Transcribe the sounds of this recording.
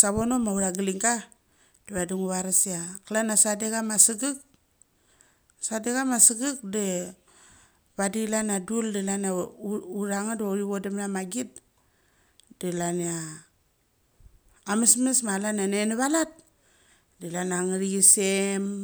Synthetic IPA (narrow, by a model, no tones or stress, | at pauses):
saβonomauɾaɡiliŋɡa | d̥iβaduŋuβaɾasiakalanasadeɡamasiɡik̚ | sadeɡamasiɡik̚de | βadilanaduldilanauɾaŋadoɾiβodemnamaɡit̚ | delania | mesmesmalananeneβalat̚ | dilanaŋaɾiɡisem